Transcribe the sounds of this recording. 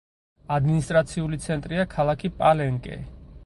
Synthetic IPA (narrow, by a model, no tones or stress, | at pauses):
ad̪minist̪ʼɾat̪sʰiulit̪sʰɛnt̪ʼɾiakʰalˠakʰipʼalɛŋkʼɛ̰